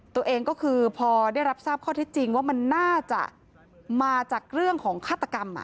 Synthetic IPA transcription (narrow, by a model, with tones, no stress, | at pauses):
t̪u˧ɐʔeː˧ŋkɔː˥˩kʰɯː˧pʰɔː˧da˥˩jɾa˦˥p̚saː˥˩p̚kʰɔː˥˩t̪ʰe˦˥t̪̚t͡ɕi˧ŋwaː˥˩ma˧nːaː˥˩t͡ɕa̰˨˩ʔ | maː˧t͡ɕaː˨˩k̚ɾɯ˥˩əŋkʰɔː˩˦ŋkʰaː˥˩t̪ːa˧ka˧mʔa̰˨˩ʔ